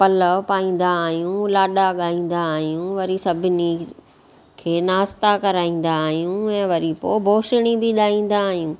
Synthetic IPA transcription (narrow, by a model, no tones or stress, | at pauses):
pɐləpaːĩːn̆d̪aːɦjũlaːɗaɠaːĩːn̆d̪aːɦijũʋɐɾisɐbʱɪni | kʰeːnaːst̪akɐɾaːĩːn̆d̪aːɦijũɛ̃ːʋɐɾipoːbʱoːʃɪɽ̃ibɪɗaːĩːn̆d̪aːɦijũː